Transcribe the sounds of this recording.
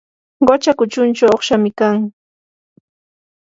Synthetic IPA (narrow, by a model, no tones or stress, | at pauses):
ɢot͡ʃakʊt͡ʃʊnt͡ʃawoχʃamɪkaŋ